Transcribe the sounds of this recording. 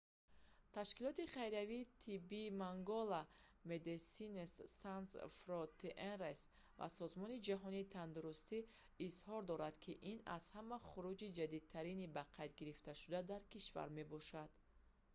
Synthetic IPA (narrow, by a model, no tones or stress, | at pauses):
t̪ʰaʃkilɔt̪iχajɾaviːt̪ʰibːimaŋɡɔlamed̪esinesːansfɾɔt̪ʰeʔenres | va̰sɔzmɔnid͡ʒaɦɔniːt̪ʰand̪uɾust̪iː | zhɔɾd̪ɔɾad̪̥kʰiʔina̰z̥hamaχuɾud͡ʒid͡ʒad̪id̪̚t̪ʰaɾinibaqʰajd̪ɡiɾift̪aʃud̪ad̪aɾkiʃva̰ɾme̞bɔʃad̪̥